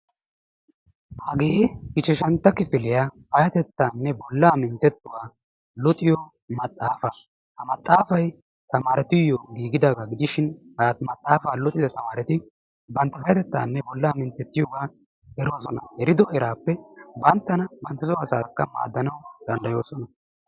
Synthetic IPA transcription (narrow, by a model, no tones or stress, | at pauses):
haːɡeːɡɪt͡ʃːɛʃɐnt̪ːɐkɪfɪlɪjaːfɐjɐt̪ɛt̪ːaːnːɛbɔlːaːmɪnt̪ːɛt̪ːʊwaː | lɔt̪ʼɪjo | mɐt̪ʼːaːfɐ | hɐmɐt̪ʼːaːfɐj | t̪ɐmaːɾɛt̪ɪjːoɡiːɡɪd̪aːɡaɡɪd̪ɪʃɪnhɐat̪mɐt̪ʼːaːfaːlʊt̪ʼɪd̪ɐt̪ɐmaːɾɛt̪ɪ | bɐnt̪ːɐfɐjɐt̪ɛt̪ːa̰ːnːɛbɔlːaːmɪnt̪ːɛt̪ːɪjɔɡaː | ɛɾo̞ːsɔnɐ̰hɛɾɪd̪ɔhɛɾaːpːɛbɐnt̪ːɐnɐbɐnt̪ːɐsɔɐsa̰ːkːɐma̰ːd̪ːɐnɐwd̪̥ɐnd̪ɐjo̞ːsɔnɐ